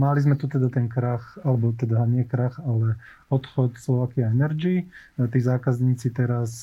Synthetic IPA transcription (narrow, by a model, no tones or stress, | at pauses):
malizmɛt̪ut̪ɛd̪at̪ɛnkɾaxalɛbɔt̪ɛd̪aɲɪɛkɾaxalɛ | ɔt̪xɔt̪slɔʋaːkiaɛnɛɾd͡ʒit̪iːzaːkazɲiːt͡sit̪ɛɾas